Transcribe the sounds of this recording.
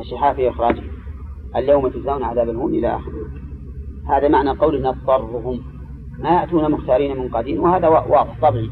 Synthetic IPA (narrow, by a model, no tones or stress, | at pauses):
ʔaʃɪħaːfiʔɪxɾˤɑːd͡ʒh | ʔaljawmat̪azaːwnʕaðaːbalhʊːmʔɪla̰ʔaxɾ | haːðamaʕnalqɑwlʔɪnːat̪ˤːɑrˤːʊɦʊmː | ajaʔt̪uːnamʊxt̪ɑːɾiːnamɪnqɑd̪iːnwhaːðawwʔɑːðˤɪħt̪ˤɑbʕi